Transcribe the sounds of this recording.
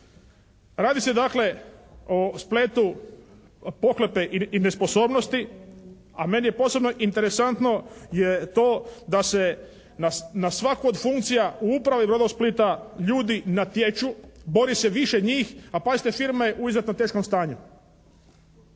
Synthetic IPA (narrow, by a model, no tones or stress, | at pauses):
ɾaːd̪ise̞d̪akle̞ospleːt̪u | po̞klepeʔiine̞spo̞so̞ːbno̞st̪i | ame̞nijepo̞ːsebno̞ʔint̪eɾesant̪no̞jet̪oːd̪ase | nanasʋakuod̪fuŋkt̪sijauupɾaʋibɾo̞d̪ausplit̪aʎuːd̪inat̪jet͡ʃubo̞ɾise̞ʋiʃeɲiːxapazit̪efiɾmaeʔuizjet̪nomt̪e̞ːʃkomst̪aːɲu